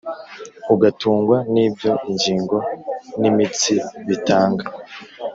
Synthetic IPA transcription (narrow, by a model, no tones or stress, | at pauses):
uɡatuːŋɡwaniːbjo̞iɲd͡ʒiːŋɡo̞nimit͡siβitaːŋɡa